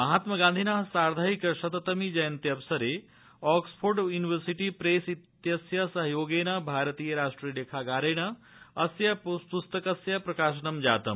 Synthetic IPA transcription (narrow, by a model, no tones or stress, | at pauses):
mɐɦaːt̪mɐɡãːnd̪ʱinɐɦsaːɾd̪ʱaɦikʃɐt̪ɐt̪ɐmid͡ʒɐjɐnt̪iɐʋsɐɾe | ɔːkspʰoːɾɖjuːniʋəɾsiʈipɾeːsit̪jɐsjɐsɐɦɐjoːɡeːnɐbʱaːɾət̪iːjɐɾaːʂʈɾijəleːkʰaːɡaːɾeːnɐ | ɐsjɐpspust̪ɐkɐsjɐpɾɐkaːʃ̬ɐnɐmd͡ʒaːt̪ɐm